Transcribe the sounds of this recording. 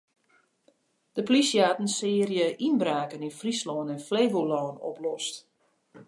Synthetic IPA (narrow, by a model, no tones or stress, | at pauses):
d̥əplisjaːtən̩sɪːrjəʔinbraːkəninfrislɔːnɛnfleːvolɔːno̰plɔst